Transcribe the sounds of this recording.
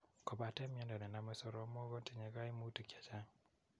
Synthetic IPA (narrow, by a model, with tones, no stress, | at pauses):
kɔ˨ba˨tɛ˦m˦ɛ˦ndɛ˨nɛ˨na˨mɛ˨˦sɔ˨ɾɔ˦mɔ˦ɡɔ˦nti˨ɲɛ˨ka˦i˦mu˦ti˨kja˨t͡ʃa˦ŋ